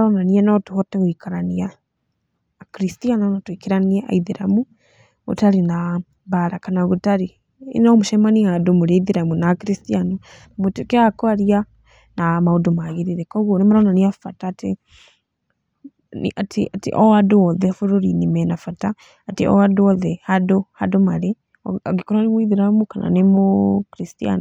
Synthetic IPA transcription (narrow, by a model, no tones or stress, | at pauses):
ɾɔnaniɛnɔtuhɔtɛɣoikaɾania | kɾistianɔnɔtuikiɾaniaʔa̰iðiɾamu | ɣṵtaɾina | βaɾakanaɣutaɾḭ | nɔmuʃɛmaniadomuɾeiðiɾamunakiɾistianɔ | namutukeakɔaɾia | namaudomaɣiɾiɾekoɣonimuɾonaniafatatḭ | atiatḭʔoadooðefuɾoɾinimɛnafataː | tḭʔo̰adoðehadohadomaɾe | ɣikoɾanimwiðiɾamukana̰nimukiɾistia̰no